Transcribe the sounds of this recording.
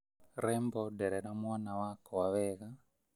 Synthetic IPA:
ɾɛmbɔdɛɾɛɾamwanawakɔwaβɛɣa

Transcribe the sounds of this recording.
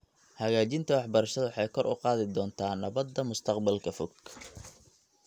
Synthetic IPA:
hɐɣaːt͡ʃɪnt̪ʰɐwɑħbɐɾɐʃɐðɐwħɑjkʰɔrʔʊ̰qɑːðɪd̪ɔːnt̪ʰaːnɐβɐd̪ːɐmʊst̪ʰɐqbɐlkʰɐfɔɡʰ

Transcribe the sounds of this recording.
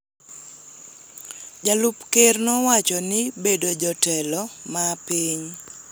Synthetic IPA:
d͡ʒalʊpkernɔwat͡ʃɔnɪbedod͡ʒɔtɛlɔmapiɲ

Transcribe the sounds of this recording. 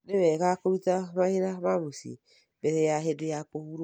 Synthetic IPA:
neβɛkakoβitamahiɾamamusḭ | bɛɾejaɦedejakohuɾ

